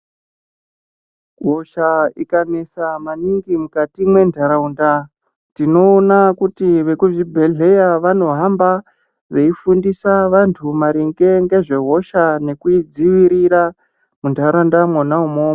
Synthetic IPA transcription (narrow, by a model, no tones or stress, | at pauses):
ɦo̞ʃaikane̞samaniŋɡimukatimwe̞ndʱaɾaunda | tino̞ːnakutiʋe̞kuʐibʱe̞ɮe̞jaʋano̞ɦamba | ʋe̞ifundisaʋantʰumaɾiŋɡe̞ŋɡe̞ʐe̞ɦo̞ʃane̞kuid͡ziʋiɾiɾa | mundʱaɾaundamwanaumoːma